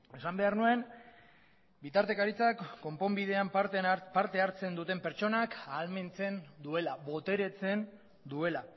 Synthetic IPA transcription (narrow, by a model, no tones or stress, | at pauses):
e̞sambe̞aɾnue̞n | bit̪aɾt̪e̞kaɾit͡sakːo̞mpo̞mbiðe̞ampaɾt̪e̞aɾt͡se̞nd̪ut̪e̞mpe̞ɾt͡so̞nakalme̞nt͡se̞nd̪ue̞laβo̞t̪e̞ɾe̞t͡se̞n | d̪ue̞la